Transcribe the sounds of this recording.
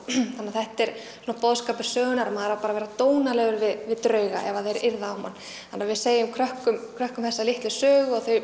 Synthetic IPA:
θanːaθɛht̪ɛɾ̥ | sunapɔðskaːpʏ̥sœːɣʏnaɾamaðɾapaːɾavɛːɾat̪oːwnalɛːɣʏɾvɪðvɪðt̪ɾœːɥɣa̰ʔɛvaðɛɾɪɾðaamːanː | θanːavɪðseːjɪʏmkʰɾœhkʏmkʰɾœhkʏmθɛsːalɪht̪lɪ̥sœːɣʏaɣθœɥ

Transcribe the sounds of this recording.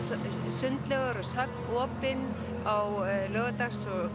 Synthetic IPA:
sʏnt̪lɛɣaɾɔsœp̚nɔːpɪn | awlœːɣat̪axsɔɣ

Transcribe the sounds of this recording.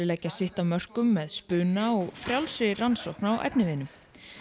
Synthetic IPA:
ɪlɛːjcːasɪht̪amœr̥kʏmːɛðspʏːnaɔɣfɾjawlsɪransowhknaawʔɛ̰pnɪvɪnʏm

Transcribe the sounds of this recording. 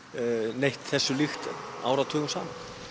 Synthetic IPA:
nejht̪θɛsːʏlixt̪a̰ːwɾat̪ʰœːɣʏmsaːman

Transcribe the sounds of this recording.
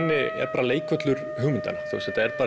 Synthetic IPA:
nːɪɛ̰ɾpaːɾaleːjkœt̪lʏɾ | ɦʏːɣmʏnt̪a̰naθṵsɛt̪aɛɾpaːɾ

